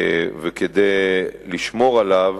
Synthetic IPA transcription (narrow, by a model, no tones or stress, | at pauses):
veked̪ejliʃmo̞ʁalav